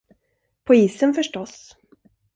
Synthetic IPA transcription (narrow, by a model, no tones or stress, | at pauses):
pʰɔiːsənfœʂʈɔs